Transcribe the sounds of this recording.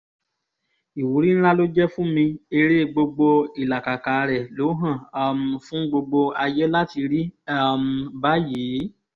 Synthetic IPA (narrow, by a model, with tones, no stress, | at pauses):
i˨wu˨˦ɾi˦ñ̩˦ɾa˦lo˦d͡ʒɛ˦fũ˦mĩ˧e˧ɾe˦ɡ͡bo˧ɡ͡bo˧i˨la˨ka˨ka˨˧ɾɛ˨lo˨˦ɦã˦˨˦m̩˧fũ˦ɡ͡bo˧ɡ͡bo˧a˧je˦la˦ti˧ɾi˦a˦m̩˨˧ba˦jiː˨˦